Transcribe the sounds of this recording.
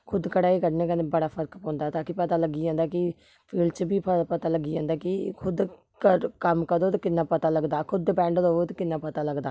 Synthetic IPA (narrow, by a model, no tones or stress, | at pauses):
kʰʊd̪kəɽaːiːkəɾneːkənebəɽaːpʰəɾkpɔ̃ːnd̪aːt̪ãːkɪpət̪aːləɡiːd͡ʒãːnd̪aːkɪ | pʰiːlɖt͡ʃbiːpəpət̪aːləɡiːd͡ʒãːnd̪aːkɪkʰʊd̪ | kəɾkəmkəɾd̪oːt̪kɪnːaːpət̪aːləɡd̪aːkʰʊd̪bɛ̃ːɳɖd̪oːt̪kɪnːaːpət̪aːləɡd̪aː